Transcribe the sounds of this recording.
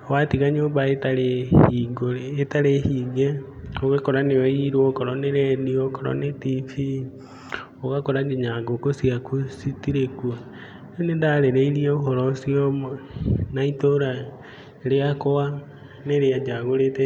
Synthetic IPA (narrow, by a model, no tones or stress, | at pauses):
watiɣaɲoːbaetaɾeiɡoetaɾehiɡe | oɣekɔɾaneɔiɾwokɔɾɔneɾɛniokɔɾɔ̰netifi | oɣakɔɾaɡeɲaɡokosiakusitiɾekua | enedaɾeɾeiɾiɛoɦɔɾɔsiɔmnaitoɾa | ɾeakowa | neɾead͡ʒaɣoɾetɛ